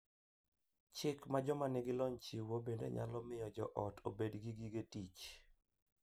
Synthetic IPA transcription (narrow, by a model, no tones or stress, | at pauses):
t͡ʃɪkmad͡ʒɔmanɪɡɪlɔɲt͡ʃiwobendo̰ɲa̰lɔmɪjɔd͡ʒɔʔɔtʰobedɡiɡiɡetit͡ʃ